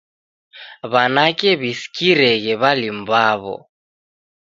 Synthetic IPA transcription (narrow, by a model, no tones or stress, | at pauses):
βanakʼɛβisi̥kʼiɾɛɣɛβalim̩baːβɔ̰